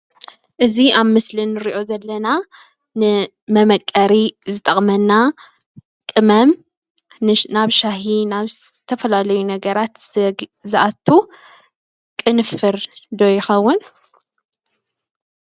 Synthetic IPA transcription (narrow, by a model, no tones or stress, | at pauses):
ʔɨziʔaβmɨslinːɨɾiʔo̞zɐlːɐna | nɨ | mɐmɐkʼːɐɾizɨt̪ʼɐχʼmɐnːa | kʼɨmɐm | naβʃaɦinaβt̪ʰːɐfɐlalɐjunɐɡɐɾat̪zɨʔat̪ʰːu | kʼɨnɨfːɨɾd̪ojɪxɐwːʊn